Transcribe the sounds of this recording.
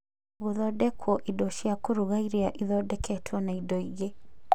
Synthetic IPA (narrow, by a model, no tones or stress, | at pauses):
ɣuðɔdɛkʰwɔʔidɔʃiakoɾuɣaiɾeaʔiðɔdɛkʰɛtʰwɔnaidɔiɣe